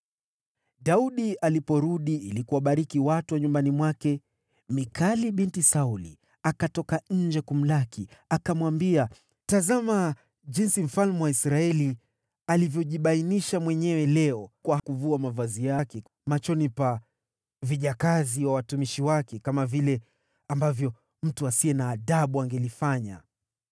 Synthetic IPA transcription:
ɗauɗiʔalipɔɾuɗiilikuwaɓaɾikiwatuwaɲumbanimwakɛ | mikʰaliɓintisaulḭ | akatɔkaɲ̩d͡ʒɛkum̩lakiakamwambia | tazama | ʄinsim̩falmuwaisɾaɛli | alivjɔʄiɓainiʃamwɛɲɛwɛlɛɔkwakuvuamavazijakɛ | mat͡ʃɔnipa | viʄakaziwawatumiʃiwakɛkamavilɛ | ambavjɔ | m̩tuasiɛnaːɗaɓuaŋɡɛlifaɲa̰

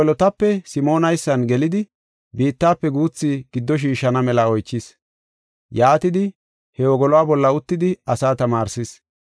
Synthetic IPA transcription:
lɔt̪ɐpːɛsɪmo̞ːnɐjsːɐnɡɛlɪd̪ɪ | biːt̪ːaːpːɛɡuːt͡sːiɡ̥ɪd̪ːɔʃ̬iːʃːɐnɐmɛlɐɔjt͡ʃːɪs | jaːt̪ɪd̪ɪ | hɛwɔɡɔlɔwaːbɔlːɐʊt̪ːɪd̪ɪɐsaːt̪ɐmaːɾsɪs

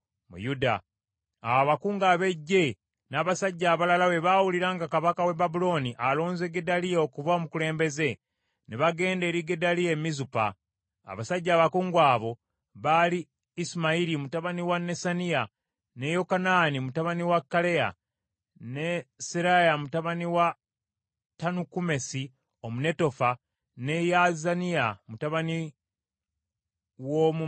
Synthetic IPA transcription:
mṵjuda̰ː | waβakuːŋɡaːβe̞ɟːe̞ | naːβasaɟːaːβalalawe̞βaːwuliɾaːŋɡakaβakawe̞babulo̞niʔalo̞ːnze̞ɡedalijeokuvamukule̞ːmbe̞ze̞ | neβaɡe̞ːnde̞ːɾiɡedalije̞mizupa̰ː | βasaɟːaːβakuːŋɡwaːβo̞ | βaliː | simaiɾimutaβaniwanːe̞sanija | ne̞jo̞kanaːnimutaβaniwakːale̞ja̰ | ne̞siɾajamutaβaniwa | tanukume̞si | omune̞to̞fa | ne̞jazanijamutaβani | womu

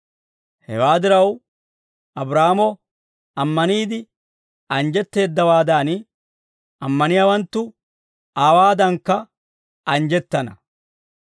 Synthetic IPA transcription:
hɛ̰waːd̪ɪɾɐw | ɐbɾaːmɔ | ɐmːɐniːd̪ɪ | ɐnd͡ʒɛt̪ːe̞ːd̪ːɐwaːd̪aːn | ɐmːɐnɪjawɐnt̪ːʊ | aːwaːd̪ɐŋkːɐ | ɐnd͡ʒɛt̪ːɐnɐ̰

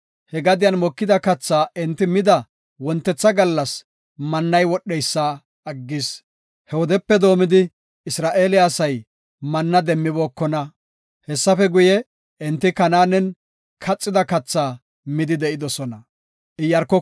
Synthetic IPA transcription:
hɛɡɐd̪ɪjɐnmɔkːɪd̪ɐkɐt͡sːaːʔɪnt̪ːɪmɪd̪ɐ | wɔnt̪ːɛt͡sːɐɡɐlːɐs | mɐnːɐjwɔɗːɛjsːa | ɐɡːɪs | hɛwɔd̪ɛpːɛd̪o̞ːmɪd̪ɪ | ɪsɾaːʔe̞ːlɪaːsɐj | mɐnːɐd̪ɛmːɪboːkːɔnɐ | hɛsːɐfɛɡʊjɛ | ʔɪnt̪ːɪkɐnaːnɛn | kʰɐt͡sʼːɪd̪ɐkɐt͡sːaː | mɪd̪ɪd̪ɛʔɪd̪ɔsɔnɐ | ʔɪjːɐɾkːɔ

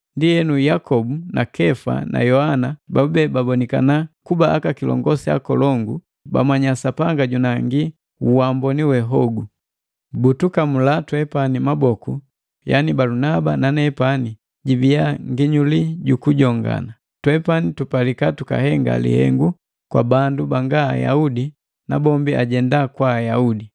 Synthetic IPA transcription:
ndijɛnujakɔbunʔakɛfa̰na̰jɔhanabaubɛbabɔnika̰nakubaʔːkakilɔ̰ŋɡɔsia̰kɔlɔŋɡu | ba̰maɲasapaŋɡaɟunaŋɡi | uwambɔniwɛɦɔɡu | butukamulatwɛpanimabɔku | janibalunabananɛpani | ɟiviaŋɡiɲuliɟukuɟɔŋɡa̰na | twɛpanitupalikatuka̰hɛŋɡa̰lḭhɛ̰ŋɡu | kwa̰bandubaŋɡa̰ːja̰udi | nabɔmbiaɟɛndakwaːjaudi

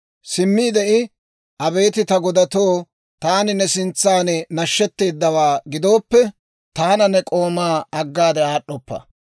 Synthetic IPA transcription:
sɪmːiːd̪ɛʔɪ | ʔɐbe̞ːt̪ɪt̪ɐɡɔd̪ɐt̪oː | t̪aːnɪnɛsɪnt͡sːaːnɛnɐʃːɛt̪ːe̞ːd̪ːɐwaːɡɪd̪o̞ːpːɛ | t̪aːnɐnɛkʼo̞ːmaːɐɡːaːd̪ɛaːɗːɔpːɐ̰

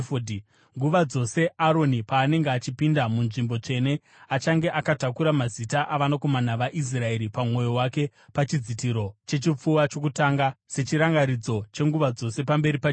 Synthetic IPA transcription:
fodi | ŋɡuʋad͡zo̞se̞ʔaɾo̞nipaːne̞ŋɡeat͡ʃipindamunʐimbo̞t͡ʂe̞ne̞ | at͡ʃaŋɡe̞ʔakatakuɾamazitaʔaʋanako̞manaʋaʔis̬rae̞ɾipamŋo̞jo̞wake̞ | pat͡ʃid͡zitiɾo̞t͡ʃe̞t͡ʃip͡fuwat͡ʃo̞kutaŋɡase̞t͡ʃiɾaŋɡaɾid͡zo̞t͡ʃe̞ŋɡuʋad͡zo̞se̞pambe̞ɾipa

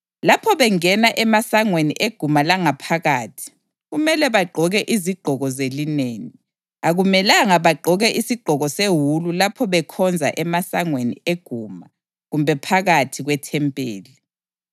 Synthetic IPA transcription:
lapʰɔβɛŋɛnaʔɛmasaŋweniʔeɡ̥ʱumalaŋapʰaɣaːtʰi̥ | ɣumɛlɛβaɡ͡ǃʱɔɣɛʔiziɡ͡ǃ̥ʱɔɣɔzelineːni | aɣumɛlaŋaβaɡ͡ǃʱɔɣɛʔisiɡ͡ǃ̥ʱɔɣɔseɦululapʰɔβɛkʰɔnd͡zʱa̰ʔɛmasaŋwenḭeɡ̥ʱuːma | ɣumbʱɛpʰaɣatʰiɣwɛtʰɛmpʼḛːli

